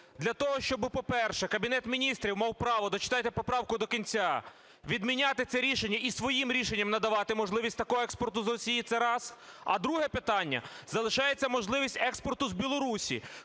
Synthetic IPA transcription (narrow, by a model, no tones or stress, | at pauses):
d̪lʲɐt̪ɔɦɔʃt͡ʃɔbɪpɔpɛrʃɛkɐbʲinɛt̪mʲinʲist̪ɾʲiwmɑwpɾɑʋɔd̪ɔt͡ʃɪ̥t̪ɑjt̪ɛpɔpɾɑwkʊd̪ɔkʲinʲt͡sʲa | ʋʲid̪mʲinʲat̪ɪt̪sɛɾʲiʃenʲːɐisʋɔjimɾʲiʃenʲːɐmnɐd̪ɐʋɑt̪ɪmɔʒlˠɪʋʲisʲtʲt̪ɐkɔɦɔɛkspɔrt̪ʊzrɔsʲijit̪sɛɾɑsɐ̰d̪ɾuɦɛpɪt̪ɑnʲːɐ̰zɐlˠɪʃɑjet͡sʲːɐmɔʒlˠɪʋʲisʲtʲɛkspɔrt̪ʊzbʲilˠɔɾusʲḭ